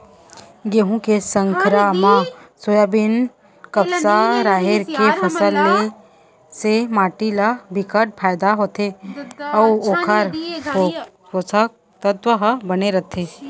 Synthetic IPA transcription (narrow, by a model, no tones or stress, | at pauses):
ɡeɦũkesə̃ŋkɾamãsojabɪn | kɐpsaɾaːɦɪɾkepʰɐsəlːe | semaːʈilabɪkəʈ̚pʰaːjd̪aɦoːt̪ʰeɐʋoːkʰəɾo | osək | t̪ət̪ʋəɦbɐneɾɐt̪ʰeː